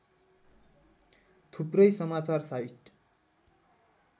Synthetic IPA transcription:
t̪ʰuprʌjsʌmat͡sarsajiʈ

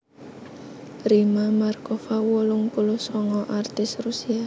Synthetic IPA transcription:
rimamarkɔfawɔlʊŋpulʊsɔŋɔʔart̪ɪsrusia

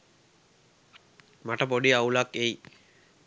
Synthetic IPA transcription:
maʈəpoɖiaulakːei

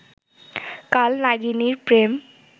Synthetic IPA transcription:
kalnad͡ʒiniɾpɾem

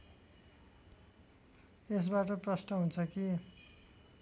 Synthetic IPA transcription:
es̬baʈʌprʌsnʌɦunt͡sʰʌki

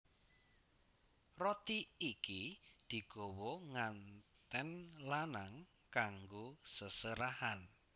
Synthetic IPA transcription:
rɔt̪iːkid̪̥i̤ɡ̥o̤wɔŋant̪ɛnlanaŋ | kaŋɡosəsəɾahan

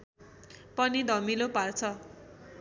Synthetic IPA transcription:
pʌnid̪ʱʌmilopart͡sʰʌ

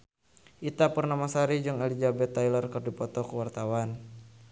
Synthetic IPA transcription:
ʔit̪apərnamasaɾid͡ʒɨŋɛlid͡ʒabɛt̪ːajlərkɨrdipɔt̪ɔkəwart̪awan

